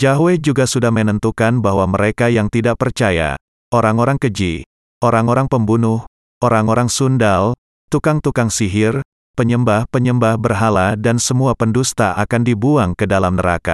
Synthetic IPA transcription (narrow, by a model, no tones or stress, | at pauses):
d͡ʒaɦwed͡ʒuɡasudahmənənt̪ukanbaɦwaməɾekajaŋt̪idaʔ̚pərt͡ʃaja̰ | ʔoɾaŋoɾaŋkəd͡ʒi | ʔoɾaŋoɾaŋpəmbunʊh | oɾaŋoɾaŋsundal | t̪ukaŋt̪ukaŋsiɦɪr | pəɲəmbahpəɲəmbahbərɦaladansəmuapəndust̪aʔakandibuaŋkədalamnəɾa̰ka̰